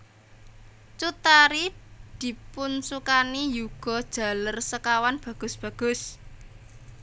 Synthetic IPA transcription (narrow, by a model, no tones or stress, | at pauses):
t͡ʃut̪aɾid̪̥i̤pʊnsukanijuɡ̥ɔ̤d̥ʒ̥ä̤lərsəkawanb̥ä̤ɡ̥ʊ̤sb̥ä̤ɡ̥ʊ̤s